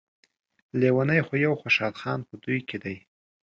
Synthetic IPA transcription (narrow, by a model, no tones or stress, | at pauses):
lewanajxojawxaʃɑd̪xɑnpəd̪ujkʰed̪aj